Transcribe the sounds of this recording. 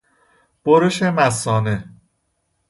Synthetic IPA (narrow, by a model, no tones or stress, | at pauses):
b̥oɾeʃemæsɒːne